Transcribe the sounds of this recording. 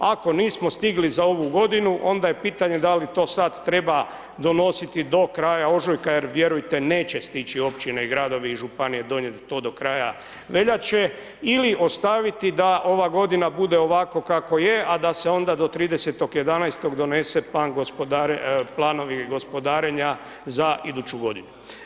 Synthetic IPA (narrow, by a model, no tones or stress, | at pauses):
ako̞niːsmo̞st̪iɡlizao̞ʋuɡo̞d̪inuʔo̞nd̪ajepiːt̪aɲe̞d̪alit̪o̞ːsad̪t̪ːɾe̞ba | d̪o̞no̞sit̪id̪o̞kɾaːjao̞ʒojkajeɾʋjeɾujt̪e̞neːt͡ɕest̪it͡ʃio̞pt͡ɕineiɡɾaːd̪o̞ʋiiʒupanije̞d̪o̞ɲjet̪ːo̞ːd̪o̞kɾaːja | ʋe̞ʎat͡ʃe̞ | iliʔo̞st̪aʋit̪id̪aʔo̞ʋaɡo̞d̪inabud̪e̞o̞ʋako̞kako̞je̞ʔad̪aseo̞nd̪ad̪o̞t̪ɾiːd̪eset̪o̞ɡjed̪anajst̪o̞ɡd̪o̞ne̞se̞plaːnɡospod̪aɾplˠaːno̞ʋiɡo̞spo̞d̪aːɾeɲa | zaid̪ut͡ɕuɡo̞d̪inu